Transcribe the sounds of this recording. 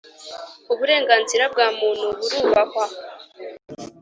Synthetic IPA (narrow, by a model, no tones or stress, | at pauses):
uβuɾe̞ːŋɡaːnziɾab̚ɡaːmuːn̥huβuɾuːβakwa